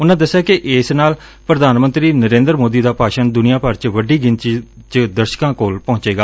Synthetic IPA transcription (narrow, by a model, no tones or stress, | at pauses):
ʊnãːd̪əsːjaːkɪʔɪsnaːl | pɾəd̪aːnmə̃nt̪ɾiːnəɾẽːnd̪əɾmoːd̪iːd̪aːpaːʃənd̪ʊnɪjãːpəɾt͡ʃʋəɖiːɡɪnt͡ʃt͡ʃd̪əɾʃkãːkoːlpɔ̃ːɲt͡ʃeːɡaː